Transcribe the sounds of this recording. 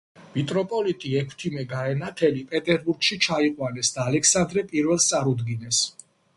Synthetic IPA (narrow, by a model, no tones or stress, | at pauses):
mit̪ʼɾɔpʼɔlit̪ʼiɛkʰt̪ʰimɛɡaɛnat̪ʰɛlipʼɛt̪ʼɛɾbuɾɡʃit͡ʃʰaiqʼwanɛsd̪aːlɛksand̪ɾɛpʼiɾvɛlˠst̪sʼaɾud̪ɡinɛs